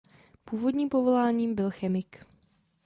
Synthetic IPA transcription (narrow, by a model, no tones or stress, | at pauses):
puːvo̞dɲiːmpovo̞laːɲiːmbɪlxɛmɪk